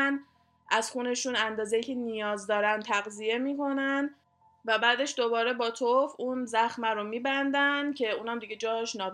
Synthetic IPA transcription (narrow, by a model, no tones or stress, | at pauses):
n | ʔæz̥xuːne̞ʃuːnænd̪ɒːzejiːcʰe̞nijɒːzd̪ɒːɾænt̪ʰæɣzije̞miːkʰo̞næn | væbæːd̪e̞ʃd̪obɒːɾe̞bɒːt̪ʰofunzæxmæɾomiːbænd̪æncʰe̞uːnhæmd̪iɡe̞d͡ʒɒːʃnɒːb